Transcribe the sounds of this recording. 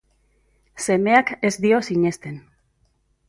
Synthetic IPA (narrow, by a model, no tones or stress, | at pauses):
se̞me̞ake̞zd̪io̞siɲe̞st̪e̞n